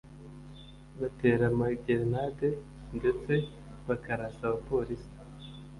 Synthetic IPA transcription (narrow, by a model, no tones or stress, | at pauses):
βate̞ːɾamaɟeɾnade̞ | nde̞t͡se̞ | βakaɾasaβapo̞ːɾisi̥